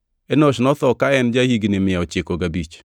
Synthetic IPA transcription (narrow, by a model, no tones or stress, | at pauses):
ɛnoʃnɔt̪ɔkaɛnd͡ʒahiɡnɪmɪjaot͡ʃɪkoɡabit͡ʃ